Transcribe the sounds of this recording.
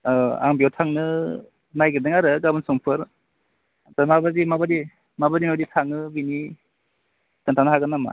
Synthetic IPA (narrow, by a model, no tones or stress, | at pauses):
a̰ŋbijɔwtʰaŋnɯ | najɡɯdɯŋaɾɯɡabɯnsɔŋpʰɯɾ | tamabazimabadi | mabadinaditʰaŋɯbini | tɯntʰanɦaɡɯnama̰